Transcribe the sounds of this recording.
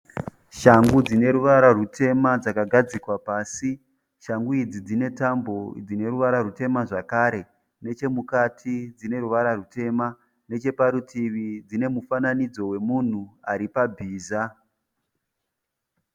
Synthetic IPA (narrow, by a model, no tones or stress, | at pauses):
ʃaŋɡud͡zine̞ɾuʋaɾarutʰe̞mad͡zakaɡʱad͡zikwapaːsi | ʃaŋɡuid͡zid͡zine̞tambo̞d͡zine̞ɾuʋaɾaɾute̞maʐakaɾe̞ | ne̞t͡ʃe̞mukatʰid͡zine̞ɾuʋaɾarute̞ma | ne̞t͡ʃe̞paɾutʰiʋid͡zine̞mufananid͡zo̞we̞mun̤uaɾipabʱiːza